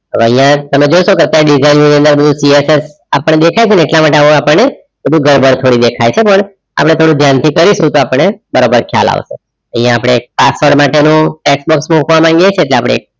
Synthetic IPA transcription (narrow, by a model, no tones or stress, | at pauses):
əʋəɦĩjãt̪əmed͡ʒoʃokeət̪jaɾeɖid͡ʒainniə̃nd̪əɾbəd̪ʱũsieses | apəɳːed̪ekʰajt͡ʃʰeneeʈlamaʈeaapəɳne | bəd̪ʱũɡʱəɾbəɽt̪ʰoɽid̪ekʰajt͡ʃʰepəɳ | a̰pɽ̃et̪ʰoɽũd̪ʱjant̪ʰikəɾiʃũt̪oapəɳːebəɾabəɾkʰja̰la̰ʋʃḛ | ə̃ɦĩjãːpɽ̃eːk̚pasɔɽmaʈenũʈeksbɔksmukʋamãŋɡjet͡ʃʰeːʈleapəɽ̃ḛḛk̚